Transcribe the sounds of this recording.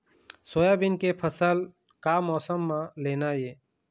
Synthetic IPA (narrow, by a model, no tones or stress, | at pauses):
soːjabɪnkepʰəsəl | kaːmɔːsəmːãleːnajeː